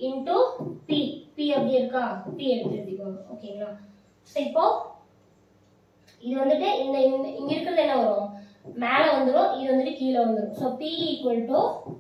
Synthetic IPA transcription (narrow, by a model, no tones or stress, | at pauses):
ɪɳʈupipiɐpːɐɽiɪɾɯkːaːpiːɛnɐt̪ikːɐʋɐɖʊ̃oːkeːɐŋɡɐlaː | soːɪpːoː | ɪðɯʋɐnd̪ɯʈːɯɪŋɡɐɪnːɪŋɡɪɾɯkːɯɾɐðɛnːɐʋɐɾõmeːlɐʋɐnd̪ɯɾʊ̃ʔɪðɯʋɐnd̪ɯʈɯkiːlɐʋɐnd̪ɯɾʊ̃soːpiikeɻʈːu